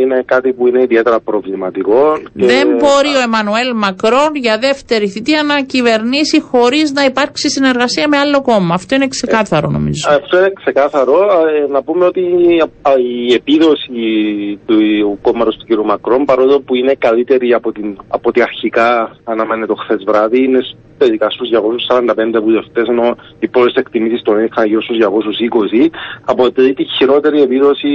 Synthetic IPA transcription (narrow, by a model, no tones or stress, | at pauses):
inekɐt̪ipuine̞iðiet̪eɾɐpɾo̞vlimɐt̪iko̞nceðembo̞ɾio̞emɐnue̞lmɐkɾo̞nʝɐðe̞ft̪e̞ɾiθit̪iɐnɐcive̞ɾnisixo̞ɾiznɐipɐɾksisine̞ɾɣɐsiɐme̞alːo̞ko̞mɐːft̪o̞inekse̞kɐθɐɾo̰no̞̰mḭzoft̪o̞inekse̞kɐθɐɾo̞nɐpumeo̞t̪i | iepiðo̞sit̪ukomɐɾost̪uciɾiumɐkɾo̞mpɐɾoðopuine̞kɐlit̪e̞ɾiɐpot̪inɐpo̞t̪iɐɾçikɐːnɐmenet̪o̞xθe̞zvɾɐðiines | t̪eðikɐst̪uzʝɐko̞susːɐɾɐnd̪ɐpend̪euðeft̪e̞seno̞ | ipɾolise̞kt̪imisist̪onisiksɐnɐʝiɾost̪uzʝɐko̞susiko̞siɐpot̪eit̪içiɾo̞t̪e̞ɾie̞piðo̞si